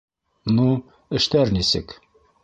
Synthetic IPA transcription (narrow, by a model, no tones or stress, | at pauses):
nu | ɘ̆ʃt̪æɾnisɘk